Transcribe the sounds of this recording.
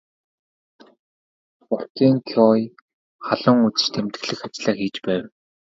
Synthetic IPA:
pʊrt̪iːŋkʰɔj | χaɮʊ̆ːŋut͡sɘ̆t͡ɕt̪ʰemt̪ɘ̆ɣɮɘ̆xat͡ɕɮaːxiːt͡ɕpæːw

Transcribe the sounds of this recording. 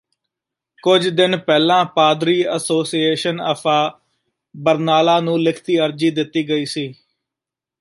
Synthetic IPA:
kʊd͡ʒd̪ɪnpɛːlãːpaːd̪ɾiːəsoːsieːʃənə̰fʰaː | bəɾnaːlãːnũːlɪkʰt̪iːəɾd͡ʒiːd̪ɪt̪ːiːɡəiːsiː

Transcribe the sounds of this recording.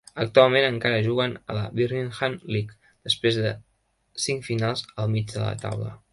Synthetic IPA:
ək̚t̪ualˠmenəŋkaɾəʒuɣənə̰ləβiɾlinxanlik | d̪̥əspɾezðə | siŋkfinalˠzəlˠmid͡ʒd̪ə̰lə̰t̪a̰wlə̰

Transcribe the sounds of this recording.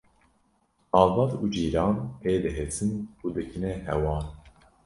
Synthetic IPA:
ɑːvɑːd̪uːd͡ʒiːɾɑːnpeːd̪ɨɦesɨnuːd̪ɨkʰɨnɛɦɛ̰wɑːn

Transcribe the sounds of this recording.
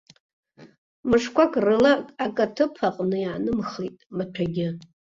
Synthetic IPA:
mɨʂkʷakʰʼrɨlakʼakʼatʰɨpʰaqʼnɨjiʕanɨmχejtʼmat͡ɕʷʰaɡʲɪ

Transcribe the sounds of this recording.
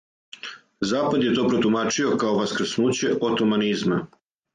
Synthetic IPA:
zaːpad̪je̞t̪o̞ːpɾot̪umaːt͡ʃio̞kaoʋaskɾ̩snuːt͡ɕe̞ʔot̪omanizma

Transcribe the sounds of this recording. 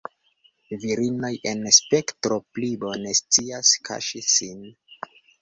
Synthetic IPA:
viɾino̞je̞nspe̞ktɾo̞plibo̞ne̞st͡siaskʰa̰ʃisin

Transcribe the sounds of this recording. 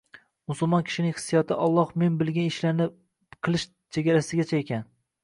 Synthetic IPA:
mʊsʊlˠmɒnkʲʰɪ̥ʃɪnɪŋʲhɨ̥sːijɒt̪ʰɪʔɒlˠːɒhme̞nbɪlɡʲanɪʃlaɾnɪ | qʰɨlˠɪʃ | t͡ʃʰeɡʲaɾasɪɡʲat͡ʃʰaekʲan

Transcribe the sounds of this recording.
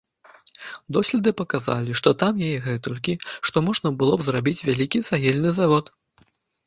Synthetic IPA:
d̪ɔsʲlʲɛd̪ɨpɐkaza̰lʲiʂt̪ɔt̪amjajɛɣɛt̪ɔlʲkʲiʂt̪ɔmɔʐnɐbɨlˠɔbzrabʲit͡sʲvʲalʲikʲisaɣʲɛlʲnɨzavɔt̪

